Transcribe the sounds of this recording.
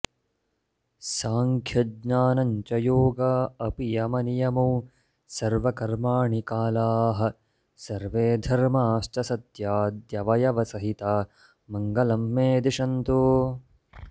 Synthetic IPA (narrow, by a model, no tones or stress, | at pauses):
saːŋkʰjɐdɲaːnɐɲt͡ʃɐjoːɡɐɐpijɐmɐnijɐmuː | sɐɾʋɐkɐɾmaːɳikaːlaːɦɐ̆ | sɐɾʋeːd̪ʱɐɾmaːsʈɐsɐt̪jaːd̪jɐʋɐjɐʋɐsɐɦit̪aː | mɐŋɡɐlɐmːeːd̪iʂɐnt̪uː